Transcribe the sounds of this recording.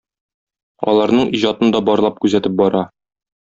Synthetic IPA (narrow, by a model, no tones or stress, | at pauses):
ɒ̰lˠɑɾnɤɴʔiʑɑt̪ɤnd̪ɒbɒɾlˠɑp̚kʉzæt̪ɘp̚bɒɾɑ